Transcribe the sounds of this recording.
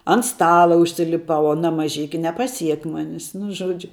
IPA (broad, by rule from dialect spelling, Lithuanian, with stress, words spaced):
ɐnt ˈstɑːlˠɐ ʊʃʲsʲɪlʲɪˈpɐʊ ɐˈnɐ mɐˈʒʲɪkʲɪ nʲɛpɐˈsʲiɛk ˈmoːnʲɪs nʊ ˈʒuɔd͡ʒʲʊ